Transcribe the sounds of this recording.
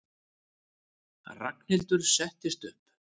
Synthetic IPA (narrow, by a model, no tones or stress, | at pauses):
ra̰knɪlt̪ʏɾ̥sɛht̪ɪst̪ʏhp